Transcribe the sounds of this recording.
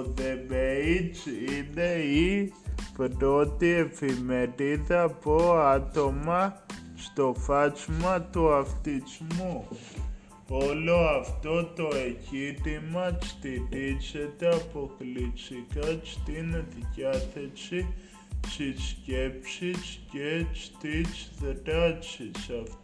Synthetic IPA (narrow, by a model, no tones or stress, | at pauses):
ðebeit͡ʃid̪eipedot̪iefimeɾiðapoat̪omat͡ʃt̪ofat͡ʃmat̪oaft̪it͡ʃmo | oloaft̪ot̪oekitimat͡ʃt̪idit͡ʃet̪epoklit͡ʃikat͡ʃt̪inot̪ikʲat̪ʰet͡ʃi | t͡ʃit͡ʃkʲepʃit͡ʃtkʲet͡ʃt̪it͡ʃðəɾat͡ʃit͡ʃaf